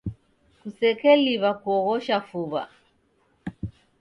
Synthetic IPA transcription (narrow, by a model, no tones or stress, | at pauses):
kusɛkɛliβakuɔɣɔʃafuβa̰